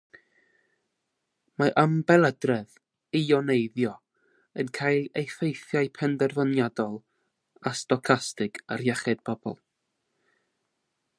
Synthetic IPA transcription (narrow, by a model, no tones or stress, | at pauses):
maʔəmbɛlˠədrɛð | iɔnejðjɔ | ənkʰajlˠejfejθjajpʰɛndɛrvənjadɔlˠ | astɔkʰastɪɡarjɛχɛd̥bʰɔbɔ̰lˠ